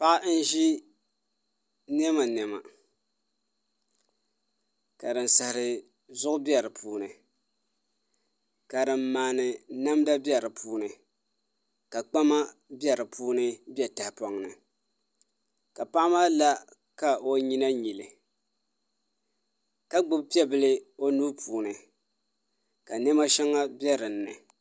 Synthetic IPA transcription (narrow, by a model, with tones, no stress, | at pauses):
pa˦ʔn̩˦ʒi˦ | nɛ˦ma˨n˨ɛ˨ma̰˨ | ka˨dɨ˨nsɨ˨hɪ˨ɾɨ˨ | zʊ˦ʔʊ˦bjɛ˨ɾɨ˨pʰuː˦nɨ˨ | ka˨dɨ˨mːaː˨nɨ˨na˦mda˦bi˦ɛ˨ɾɨ˨pʰuː˦nɨ˨ | ka˨k͡pa˦ma˦bjɛ˨ɾɨ˨pʰuː˦nɨ˦bɛ˦ta˨hpɔ˨ŋnɨ˨ | ka˨pa˦ʔa˦ma˦la˦ | ka˨ʔo˦ɲi˦na˦ɲi˨lɨ˨ | ka˦ɡ͡bʊ˦b̚pi˦ɛ˦bɨ˦lɨ˦o˦nuː˦pʰuː˨nɨ˨ | ka˨nɛ˦ma˦ʃɛ˦ŋa˦bjɛ˦ɾɨ˨nːɨ˨